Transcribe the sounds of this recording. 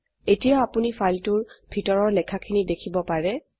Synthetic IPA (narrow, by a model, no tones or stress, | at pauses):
etijaapunifajltʊɹbʱitɔɹɔɹlɛkʰakʰinidekʰibɔpaɹɛ